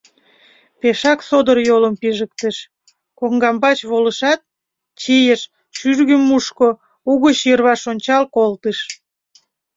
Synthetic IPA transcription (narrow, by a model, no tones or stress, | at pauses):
peʃɑksod̪ərjoləmpiʒək̚t̪əʃ | koŋɡɑmbɑt͡ɕβoləʃɑt̪̚ | t͡ɕijəʃ | ʃyrɣəmːuʃko | uɣət͡ɕjərβɑʃonʲt͡ɕɑlkolt̪əʃ